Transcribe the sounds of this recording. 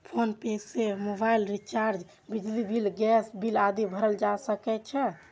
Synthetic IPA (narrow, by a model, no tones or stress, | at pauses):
pʰonpesemobajlɾit͡ʃaɾd͡ʒ | bid͡ʒlibʱilɡɛsbʱilad̪ibʱəɾəld͡ʒasəkɛt͡ʃʰɛ